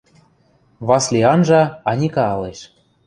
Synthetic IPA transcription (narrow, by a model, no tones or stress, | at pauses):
βɑslʲiɑnʒɑɑnʲikɑɑleʃ